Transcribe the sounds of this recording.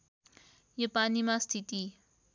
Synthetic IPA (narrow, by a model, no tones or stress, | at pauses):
jʌpanimast̪ʰit̪i